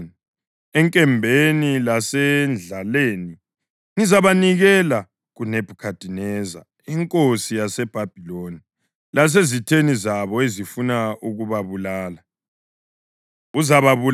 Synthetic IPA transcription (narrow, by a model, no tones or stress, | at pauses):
ni | ɛŋkʼɛmbʱenilasɛnd͡ɮʱaleːni | ŋizaβaniɣɛla | ɣuneb̥ʱukʰad̥ʱinɛza̰ | iŋkʼosijasɛb̥ʱab̥ʱiloːni | las̬ezitʰenizaβɔezifunauɣuβaβulaːla | uzaβaβu